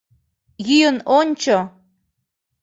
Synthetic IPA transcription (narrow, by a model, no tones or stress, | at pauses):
jyjənonʲt͡ɕo